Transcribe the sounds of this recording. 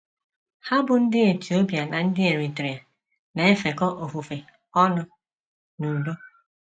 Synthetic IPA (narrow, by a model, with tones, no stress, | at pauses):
ha˦bʊ˨n̩˦dɪ˦e˨ti˨o˦pja˨na˨n̩˦dɪ˦e˨ɾi˨tɾi˨a˨ | na˨e˦fe˨kɔ˦ʔo˨fu˨fe˨ | ɔ˦nʊ˨ | nu˨bo˦